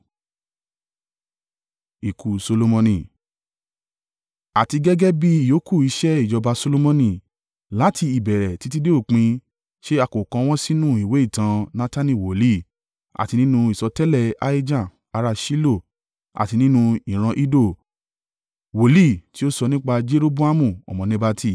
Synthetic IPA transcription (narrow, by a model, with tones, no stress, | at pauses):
i˨ku˨so˧lo˧mɔ̃˧nĩ˨ | a˨ti˧ɡɛ˦ɡɛ˦bi˦i˦˨jo˨˦ku˦˨i˧ʃɛ˦i˦˨d͡ʒɔ˧ba˧so˧lo˧mɔ̃˧nĩ˨ | la˨˦tʰi˧i˨bɛ˨ɾɛ˨ti˨˦t̬i˦de˦o˦˨k͡pĩ˧ | ʃe˦a˧ko˨kã˧w̃ɔ̃˦si˦nũ˦˨i˨we˨˦i˦˨tã˧nã˦ta˦nĩ˦˨wo˨li˦˨ | a̰˨ti˧nĩ˦nũ˧i˨sɔ˧tɛ˦lɛ˦˨a̰˦i˦d͡ʒã˦˨ | a˧ɾa˧ʃi˦lo˦˨ | a̰˨ti˧nĩ˦nũ˧i˨ɾ̃ã˧ʔi˦do˦˨ | wo˨li˦˨ti˦o˦sɔ˧nĩ˦k͡pa˧d͡ʒe˦ɾo˦bo˦a˦mũ˦˨ɔ̰˨mɔ̃˨nẽ˧ba˧tʰi˦˨